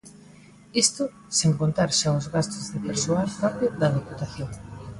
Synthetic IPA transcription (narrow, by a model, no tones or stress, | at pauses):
ist̪ʊ | seŋkont̪aɾʃaʊzɣast̪ʊzðɪpeɾsoalfaɾt̪ɪðɐðoput̪aθjoŋ